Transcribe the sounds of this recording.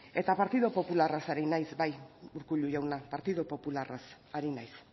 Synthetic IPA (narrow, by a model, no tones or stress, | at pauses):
e̞t̪apaɾt̪iðopo̞pularasaɾinajsbajuɾkuʎuʝawnapaɾt̪iðopo̞pularʔas | aɾinajs